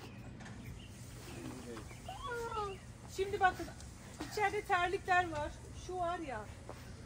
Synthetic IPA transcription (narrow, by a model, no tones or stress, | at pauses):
ʃimd̪ibakʰɯn | it͡ʃʰɛɾd̪ɛt̪ʰæɾlʲicʲlʲæɾvaɾ̥ | ʃuvaɾja